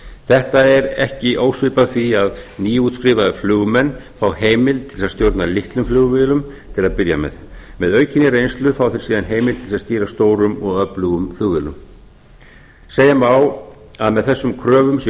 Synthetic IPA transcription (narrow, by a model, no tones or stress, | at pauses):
θɛht̪aɛɾɛ̰hcɪʔoːwsʏpafiaðniːuːt̪skɾɪːvaðʏflʏːɣmɛnːfawheːjmɪlt̪ʰɪlsaðst̪jowɾt̪nalɪht̪lʏmflʏːɣvɪlʏm | t̪ʰɪlaðpɪɾja̰mɛ̰ðmɛðœːɥcɪnːɪrejnst̪lʏfaːwθɪɾ̥siːðanɦeːjmɪlt̪ʰɪlsaðst̪iːɾast̪oːwɾʏmɔɣœplʏɣʏmflʏːɣvɪːlʏm | seːjamaw | aðmɛðθɛsːʏmkʰɾœːvʏms